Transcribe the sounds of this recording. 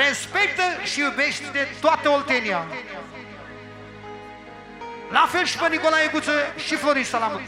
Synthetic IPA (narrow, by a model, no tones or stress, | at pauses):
ɾespek̚t̪əʃiwbeʃt̪t̪et̪wat̪eolt̪enja | lafelʃpənikolaekut͡səʃifloɾiʃsalam